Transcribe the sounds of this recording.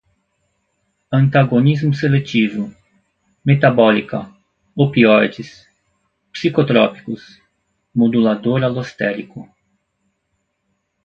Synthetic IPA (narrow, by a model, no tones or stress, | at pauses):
ɐ̃nt̪aɡonizmʊselet͡ʃivʊ | met̪abɔlikɐ̰ | opiɔd͡ʒis | psikot̪ɾɔpi̥kʊs | mod̪ulad̪oɾalost̪ɛɾikʊ